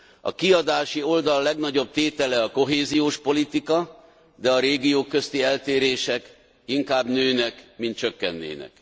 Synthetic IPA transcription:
ɒ̰kiɒd̪aːʃio̞ld̪ɒlːɛɡnɒɟo̞b̚t̪eːt̪ɛlɛɒko̞ɦeːzijoːʃpo̞lit̪ikɒ | d̪ɛɒɾeːɡijoːkːø̞st̪iɛlt̪eːɾeːʃɛk | iŋkaːbnøːnɛkmint̪̚t͡ʃøkːɛnːḛːnɛ̰k

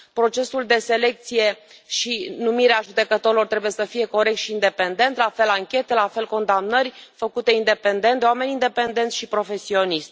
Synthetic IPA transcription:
pɾo̞t͡ʃe̞suld̪e̞se̞le̞k̚t̪sije̞ | ʃinumiɾeaʒud̪e̞kət̪o̞ɾilo̞rt̪ɾe̞buje̞səfije̞ko̞ɾek̚t̪ʃiːnd̪e̞pe̞nd̪e̞nt̪lafe̞laŋkʲe̞t̪e̞lafe̞lko̞nd̪amnərʲfəkut̪e̞ind̪e̞pe̞nd̪e̞nt̪ewame̞nind̪e̞pe̞nd̪e̞nt̪sʃipɾo̞fe̞sio̞nist̪ʲ

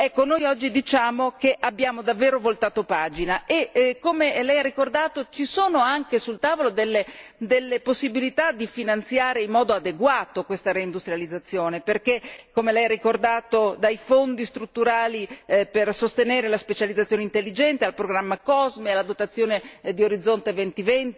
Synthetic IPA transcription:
ɛkːonojɔd͡ʒːid̪it͡ʃaːmokeʔabːjaːmod̪avːeːɾovolt̪aːt̪opaːd͡ʒinaʔekːomelɛjarːikord̪aːt̪ot͡ʃisoːnoaŋkesult̪aːvolod̪elːed̪elːeposːibilit̪ad̪ifinant̪sjaːɾeimːɔːd̪oad̪eɡwaːt̪okwest̪aɾeind̪ust̪ɾijalid̪zːat̪sːjoːneperkekːomelɛjarːikord̪aːt̪od̪ajfond̪ist̪ɾut̪ːuɾaːlipersost̪eneːɾelaspet͡ʃalid̪zat̪sjoːneint̪elːid͡ʒɛnt̪ealpɾoɡɾamːakɔzmelad̪ot̪at̪sːjoːned̪ioɾid̪zːont̪evɛnt̪ivɛnt̪

